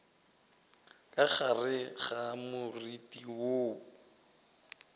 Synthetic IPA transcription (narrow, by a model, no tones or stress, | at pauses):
kʼaɣarɪɣamʊritʼiwoː